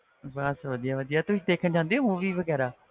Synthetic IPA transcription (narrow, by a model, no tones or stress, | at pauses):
bəsʋəd̪ijaːʋəd̪ijaːt̪ʊsĩːd̪eːkʰənd͡ʒãːnd̪eoːɦũːʋiːʋəɡɛːɾaː